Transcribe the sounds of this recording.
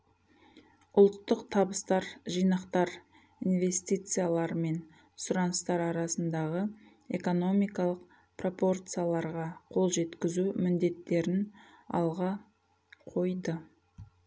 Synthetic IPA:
ʊlˠt̪ːəqt̪ʰɑbəst̪ɑɾʒijnɑqt̪ɑɾ | inve̞st̪ijt̪sɨjalˠɑɾme̞n | sʊɾɑnəst̪ɑɾɑɾɑsənd̪ɑʁə | e̞ko̞no̞mijkɑlˠəq̚ | pro̞po̞rt̪sɨjalˠɑɾʁɑqʰo̞lˠʒe̞t̪kʲɪzumɪnd̪e̞t̪ːe̞ɾɪn | ɑ̰lˠʁɑ | qʰo̞jd̪ə

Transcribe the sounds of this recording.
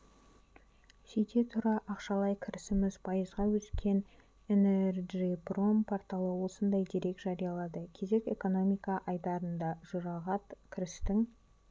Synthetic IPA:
sejt̪e̞t̪ʰʊɾɑʔɑqʃɑlˠɑjkʲʰɪɾɪsɪmɪzpʰɑjəzʁɑwɵskʲe̞n | enerʒipro̞mpʰoɾt̪ɑlˠəwo̞sənd̪ɑjd̪eɾe̞kʒ̥ɑɾijɑlˠɑd̪əkʲʰe̞ze̞ke̞̰ko̞no̞mijkɑʔɑjd̪ɑɾənd̪ɑʒʊɾɑʁɑt̪kʲʰɪɾɪst̪ɪŋ

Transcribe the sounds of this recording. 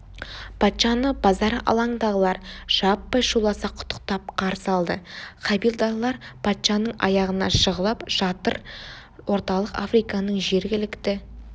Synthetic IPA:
pʰɑt̪ʃɑnəbɑzɑɾɑ̰lˠɑɴd̪ɑʁəlˠɑɾʒ̥ɑpːɑjʃulˠɑsɑqʰʊ̥t̪ʰːə̥q̚t̪ɑp̚qʰɑɾsɑlˠd̪əqʰɑbijlˠd̪ɑlˠɑɾpʰɑt̪ʃɑnəɴɑ̰jɑʁənɑ̰ʃəʁəlˠɑpʒ̥ɑt̪ə̰ɾ | wo̞ɾt̪ɑlˠəqafɾijkɑnəɴʒe̞ɾɡʲɪlɪkt̪ɪ

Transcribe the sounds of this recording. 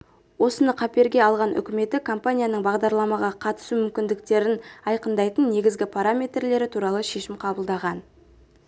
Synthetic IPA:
wo̞sənəqʰɑpe̞ɾɡʲe̞ɑlˠʁɑnʔʏ̰kʲɪme̞t̪ɪkʰo̞mpanʲijanəɴbɑʁd̪ɑɾlˠɑmɑʁɑqʰɑt̪ə̥sumʏmkʲɪnd̪ɪk̚t̪e̞ɾɪnɑjqənd̪ɑjt̪ənːe̞ɡʲɪzɡʲɪpʰaɾamʲe̞t̪rle̞ɾɪt̪ʰuɾɑlˠəʃe̞ʃɪmqʰɑbəlˠd̪ɑʁɑn

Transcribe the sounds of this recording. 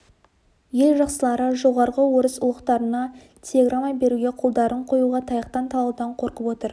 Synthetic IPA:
je̞lʒɑqsəlˠɑɾəʒo̞ʁɑɾʁəwoɾəsʊlˠəqt̪ɑɾənɑ | tʲʰelʲe̞ɡramːabe̞ɾuɡʲe̞qʰolˠd̪ɑɾʔəɴqʰo̞juʁɑt̪ʰɑjɑqt̪ɑnt̪ʰɑlˠɑwd̪ɑɴqʰo̞ɾqəpwo̞t̪əɾ

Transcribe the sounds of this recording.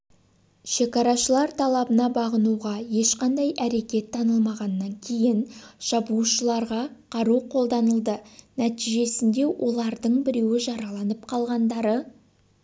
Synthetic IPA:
ʃe̞kɑɾɑʃəlˠɑɾt̪ʰɑlˠɑbənɑbɑʁənuʁɑje̞ʃqɑnd̪ɑjʔæɾe̞kʲe̞t̪ʰːɑnəlˠmɑʁɑnːɑŋkʲʰe̞jɪnʒ̥ɑbuʃəlˠɑɾʁɑqʰɑɾuqʰo̞lˠd̪ɑnəlˠd̪ənæt̪ijʒe̞sɪnd̪e̞wʔo̞lˠɑɾd̪əɴbɪɾe̞wɪʒɑɾɑlˠɑnəp̚qʰɑlˠʁɑnd̪ɑɾə

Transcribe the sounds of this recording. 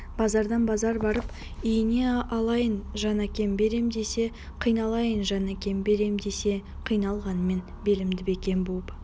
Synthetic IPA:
b̥ɑzɑɾd̪ɑnbɑzɑɾbɑɾəp | ijɪne̞ɑlˠɑjənʒɑnækʲe̞mbe̞ɾe̞md̪ese̞ | qʰijnɑlˠɑjənʒɑnækʲe̞mbe̞ɾe̞md̪e̞se̞ | qʰijnɑlˠʁɑnəme̞n | be̞lɪmd̪ɪbekʲe̞nbolˠəp

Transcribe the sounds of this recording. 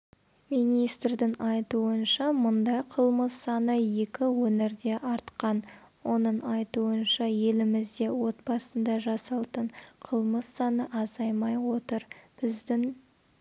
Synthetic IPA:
minijst̪rd̪ɪŋɑjt̪uənʃɑmʊnd̪ɑjqʰəlˠməsːɑnəje̞kʲɪwɵneɾd̪e̞ʔɑɾt̪qɑn | wo̞nəɴɑjt̪uənʃɑje̞lɪmɪzd̪e̞wo̞t̪̚bɑsənd̪ɑʒɑsɑlˠt̪əɴqʰəlˠməsːɑnəʔɑzɑjmɑjwo̞t̪əɾb̥ɪzd̪ɪŋ

